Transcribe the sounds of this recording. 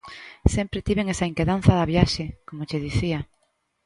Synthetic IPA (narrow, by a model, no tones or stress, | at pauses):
sempɾet̪iβeŋesaiŋkeðan̟θɐðɐβjaʃekomot͡ʃeðiθiɐ